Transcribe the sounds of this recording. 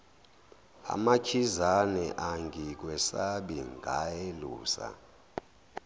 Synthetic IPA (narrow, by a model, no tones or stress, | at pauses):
a̰makʰizanɛʔaŋɡʱik̬wɛsaɓiŋɡʱajelṵːsa̰